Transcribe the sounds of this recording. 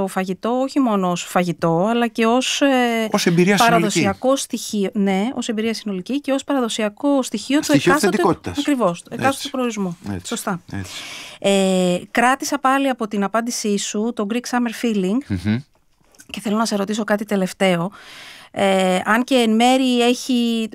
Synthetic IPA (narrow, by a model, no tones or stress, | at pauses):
o̞fɐʝit̪o̞oçimo̞no̞osfɐʝit̪o̞ɐlɐce̞o̞sosembiɾiɐspɐɾɐðosiɐko̞st̪içione̞o̞sembiɾiɐsino̞licice̞o̞spɐɾɐðo̞siɐko̞st̪içio̞t̪ueɐst̪ot̪t̪ɐsɐkɾivo̞st̪ueɐst̪ot̪upɾoɾizmṵso̞st̪ɐɛ̰ekɾɐt̪isɐpɐliɐpo̞t̪inɐpɐnd̪isisut̪o̞ɡɾiksɐme̞ɾfiliŋɡ | ce̞θe̞lo̞nɐsɐsɾo̞t̪isokɐt̪it̪ele̞ft̪e̞o̞ | eɐŋce̞ːnme̞ɾie̞çi